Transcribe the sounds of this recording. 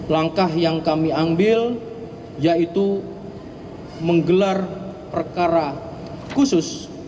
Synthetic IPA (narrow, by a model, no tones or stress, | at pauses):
laŋkahjaŋkamiambɪl | jait̪u | məŋɡəlarpərkaɾa | kusʊs